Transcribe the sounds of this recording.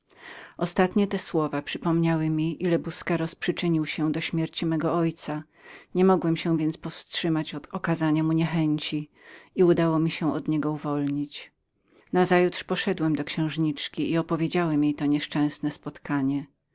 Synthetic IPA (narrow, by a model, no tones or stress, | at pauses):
ʔɔst̪at̪ɲɛt̪ɛswɔvapʂɘpɔmɲawɘmʲiʔilɛbuskɛɾɔspʂɘt͡ʂɘɲiwɕɛ̃d̪ɔɕmʲjɛɾt͡ɕimɛɡɔɔjt̪sa | ɲɛmɔɡwɛmɕɛ̃vʲjɛnt̪spɔfstʂɘmat͡ɕɔt̪ɔkazaɲamuɲɛxɛɲt͡ɕi | iud̪awɔmʲiɕɛ̃ʔɔd̪ɲɛɡɔuvɔlɲit͡ɕ | nazajut̪ʂpɔʂɛd̪wɛmd̪ɔkɕɛ̃w̃ʐɲit͡ʂkʲiiɔpɔvʲjed͡ʑawɛmʲjejt̪ɔɲɛʂt͡ʂɛ̃w̃snɛspɔt̪kaɲɛ